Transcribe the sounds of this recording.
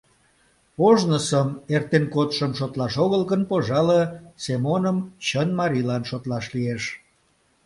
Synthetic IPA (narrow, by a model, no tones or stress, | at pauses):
oʒnəsəmert̪enkot̪ʃəmʃot̪lɑʃoɣəlɣənpoʒɑləsemonəmt͡ɕənmɑɾilɑnʃot̪lɑʃlieʃ